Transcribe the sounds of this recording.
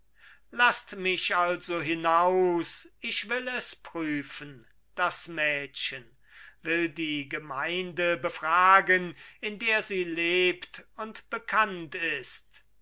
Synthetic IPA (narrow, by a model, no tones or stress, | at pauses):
lastmɪʃalzoɦɪnaʊsɪʃv̥ɪlɛspʁ̥yːfən | d̥asmɛːtʃən | vɪldiːɡəmaɪndəbəfʁ̥aːɡənɪndeːɐziːleːptʊntb̥əkʰantɪst